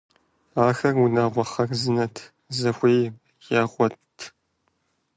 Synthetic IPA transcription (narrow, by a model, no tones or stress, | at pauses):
aːxɐrunaːʁʷɔχɐrzɨnɐtʰ | zɐxʷeːj | jaːʁʷɔtʰ